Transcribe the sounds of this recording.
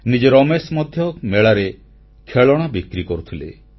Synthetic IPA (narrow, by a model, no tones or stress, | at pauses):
nid͡ʒeɾɔmesmɔd̪ʱjɔmeɭaɾe | kʰeɭɔɽ̃abikɾikɔɾut̪ʰilḛ